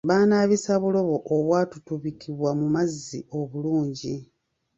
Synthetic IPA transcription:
βaːnaːβisaβulo̞βo̞ʔoβwaːtutuβikʰiβwamumazːḭo̞βuluːɲɟi

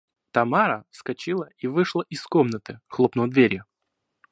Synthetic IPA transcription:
t̪ɐmaɾəskɐt͡ɕilˠəivɨʂlˠəʔɪskomnət̪ɨxlˠopnod̪vʲeɾʲjʊ

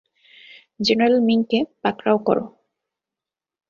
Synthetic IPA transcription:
d͡ʑeneɾalmiŋkepakɾawkɔ̰ɾo̰

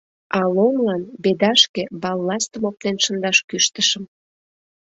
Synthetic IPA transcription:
ɑlomlɑnbed̪ɑʃkebɑlːɑst̪əmop̚t̪enʃənd̪ɑʃkyʃt̪əʃəm

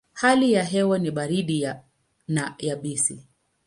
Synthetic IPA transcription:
halijaɦɛwaniɓaɾiɗia | najaɓisḭ

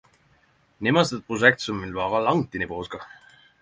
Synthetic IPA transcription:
nimɑst̪et̪̚pʁos̬ek̚t̪sonmilvɑːʁɑlɑŋt̪inipoːskɑ

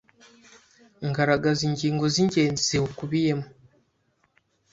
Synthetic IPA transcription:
ŋɡaɾaɡaziɲɟiːŋɡo̞ziɲɟe̞ːnzizeokuβijemu

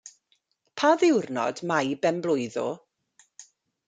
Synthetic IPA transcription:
pʰaðɪwrnɔ̰dmajbɛmblˠʊjðɔ̰

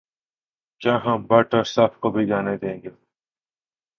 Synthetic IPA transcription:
t͡ʃãːɦãːbɐʈoːɾsaːfkobʱiɡaːned̪ẽːŋɡeː

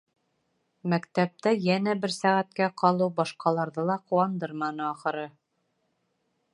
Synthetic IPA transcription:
mækt̪æp̚t̪æjænæbɘɾsæʁæt̪̚kæqɑlˠɤwbɒʃqɑlˠɑɾðɤlˠɑquwɑnd̪ɤɾmɑnɤɑχɤ̆ɾɤ

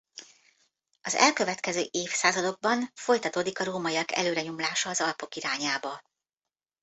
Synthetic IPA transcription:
ɒzɛ̰lkø̞vɛt̪kɛzø̰ːʔeːfsaːzɒd̪o̞ɡ̚bɒnfo̞jt̪ɒt̪oːd̪ikɒɾoːmɒiɒkɛ̰løːɾɛɲomlaːʃɒːzɒlpo̞kiɾaːɲaːbɒ

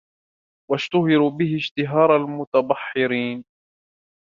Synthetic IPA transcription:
waʃt̪ʊhɪɾubɪɦɪʃt̪ɪɦɑːɾˤalmʊt̪ab̪ˤɑħːɪɾiːn

